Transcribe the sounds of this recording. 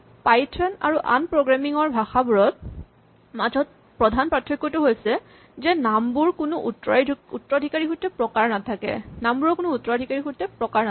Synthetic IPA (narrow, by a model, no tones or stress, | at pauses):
pajtʰɔna̰ɹuʔa̰npɹoɡɹamiŋɔɹbʱaxabuɹɔt̚ | mazʱɔt̚ | pɹɔdʱanpɹatʰːɹɔkːɔtʊɦojsɛ | zɛnambuɹkunʊʔutɹɔutɹɔdʱikaɹixutɛpɹɔkaɹnatʰakɛ̰nambuɹɔkunʊutːɔɹɔdʱikaɹixutɛpɹɔkaɹna